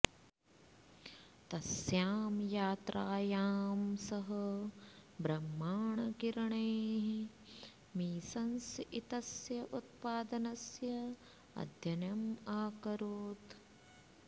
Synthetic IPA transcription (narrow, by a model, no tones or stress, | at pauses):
t̪ɐsjaːmjaːt̪ɾʔaːjaːmsɐɦɐ̆ | bɾɐmːaːɳɐkiɾɐɳeːɦ | miːsɐnsit̪ɐsjɐʔut̪̚paːd̪ɐnɐsjɐ | ɐ̰d̪ʱjɐnjɐmaːkɐɾuːt̪